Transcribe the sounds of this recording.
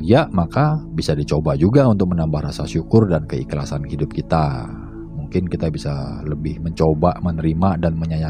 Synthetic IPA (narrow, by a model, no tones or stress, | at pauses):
iaʔmakabisadit͡ʃobad͡ʒuɡaunt̪ʊk̚mənambahɾasaʃukʊrdankəikla̰sanhidʊp̚kit̪a | muŋkɪnkit̪abisaləbɪhməɲt͡ʃobaʔmənəɾimadanməɲaja